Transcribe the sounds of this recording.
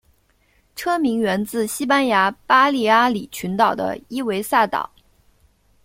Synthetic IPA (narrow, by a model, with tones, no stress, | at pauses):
ʈ͡ʂʰɤ˥mi˧˥ŋɥɛ˧˥nt͡sɹ̩˥˩ɕi˥pa˥nja˧˥pa˥li˥˩a˥li˨˩t͡ɕʰy˧˥nt̪ɑ˨˩ʊd̪ə̰˦i˥we˧˥ɪsa˥˩t̪ɑ̰˨˩˦